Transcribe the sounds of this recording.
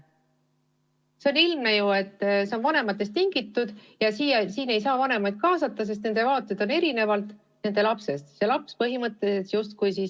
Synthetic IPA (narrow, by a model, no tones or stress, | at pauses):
se̞onilmnejue̞t̪ːˑse̞o̞nvɑne̞mɑt̪ːˑe̞st̪iŋɡ̥it̪ːˑud̪̥jɑsiːjɑsiːne̞jsɑːvɑne̞mɑjd̪̥̚kɑːsɑt̪ːˑɑs̬e̞st̪ned̪̥e̞vɑːt̪ːˑed̪̥o̞ne̞ɾine̞vɑlt̪ˑ | ne̞nd̪elɑpse̞st̪se̞lɑpspɤɦimɤt̪ːˑe̞set̪sjust̪̚kujsis